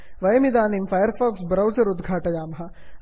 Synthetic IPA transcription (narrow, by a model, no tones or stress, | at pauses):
ʋɐjɐmid̪aːnimfaːjəɾfaːksbɾɐwzɐɾʊd̪ɡʱaːʈɐjaːmɦɐ